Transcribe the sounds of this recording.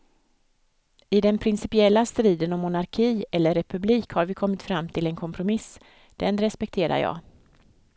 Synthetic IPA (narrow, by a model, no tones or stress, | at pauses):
ɪd̪ɛnpʰɾɪnsɪpɪɛlːast̪ɾiːd̪ənɔmːʊnaɾkʰiːɛlːəɾɛpʰɵbliːkhaɾvɪkʰɔmːɪt̪fɾamːt̪ʰɪlɛnkʰɔmpʰɾʊmɪs | d̪̥ɛnɾɛspɛk̚t̪ʰeːɾa̰ɾjɑ̰ː